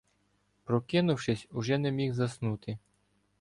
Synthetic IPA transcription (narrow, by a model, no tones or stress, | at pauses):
pɾɔkɪnʊwʃɪsʲuʒɛnɛmʲixzɐsnut̪ɪ